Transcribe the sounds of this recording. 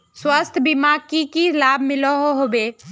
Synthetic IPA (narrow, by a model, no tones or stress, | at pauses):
swəst̪ʰbimaːɡkikilaːbʱmɪloɦoɦobeː